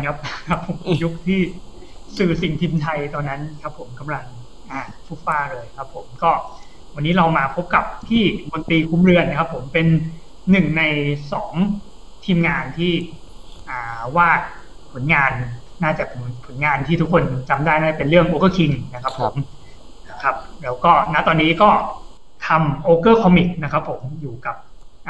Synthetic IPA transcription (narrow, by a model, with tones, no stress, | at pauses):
a˧˩kʰp̚a˧kʰa˦˥pʰːo˨˩˦mju˦˥k̚t̪ʰiː˥˩ | sɯː˨˩si˨˩ŋt̪ʰiː˧mt̪ʰa˧jt̪ɔː˧nːa˦˥nkʰa˦˥pʰːo˩˦mka˧mɾa˧ŋ | ʔaː˨˩ | fʰu˦˥˩faː˧˥˩ɾɤː˧jkʰa˦˥pʰːo˩˦mkɔː˥˩ | wa˧nːiː˦˥ɾa˧wmaː˧pʰo˦˥p̚ka˨˩p̚t̪ʰiː˥˩no˧nt̪iː˧kʰu˧˥mɾɯ˧ənːa˦˥kʰa˦˥pʰːo˩˦mpe˧nː | ɯ˨˩ŋna˧jsɔː˩˦ŋ | t̪ʰiː˧mŋaː˧nt̪ʰiː˥˩ | ʔaː˨˩waː˥˩pʰo˨˩˦nŋaː˧nːaː˥˩t͡ɕa˨˩pnpʰo˩˦nŋaː˧nt̪ʰiː˥˩u˥kʰo˧nt͡ɕa˧mdaː˥˩jnaː˥˩t͡ɕa˨˩pe˧nɾɯ˥˩əŋʔoː˧kɤː˥˩kʰi˧ŋna˦˥kʰɾa˦˥pʰːo̰˨˩˦m˥ | kʰa˦˥p̚ɾɛː˦˥wkɔː˥˩na˦˥t̪ɔː˧nːiː˦˥kɔː˥˩ | t̪ʰa˧mʔoː˧kɤː˥˩kʰɔː˧mi˨˩k̚na˦˥kʰa˦˥pʰːo˩˦mjuː˨˩ka˨˩p̚ʔ